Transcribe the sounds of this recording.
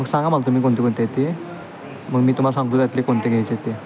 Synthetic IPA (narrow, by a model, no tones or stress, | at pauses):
məɡsãŋɡamalat̪um̤iːkoɳt̪ekoɳt̪et̪e | məɡmiːt̪um̤alasãŋɡt̪uːjat̪lekoɳt̪eɡʱejt͡st̪e